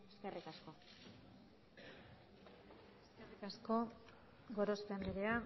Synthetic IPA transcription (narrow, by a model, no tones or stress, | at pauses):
eskerikasko̞ | eskerikasko̞ | ɡo̞ɾo̞speand̪eɾea